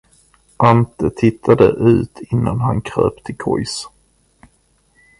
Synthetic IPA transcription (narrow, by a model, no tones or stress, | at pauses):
ʔant̪ət̪ʰɪt̪ʰːad̪ə̰ʔʉ̟̰ːt̪ʰɪnːanɦankʰɾø̰ːpt̪ʰɪkʰɔjs